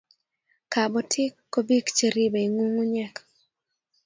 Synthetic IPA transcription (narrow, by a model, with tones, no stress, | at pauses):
ka˨bɔ˨tʰɪ˦kːo˦bi˦kt͡ʃe˨ɾi˦be˨i˨ŋu˦ŋu˦ɲɛ˦k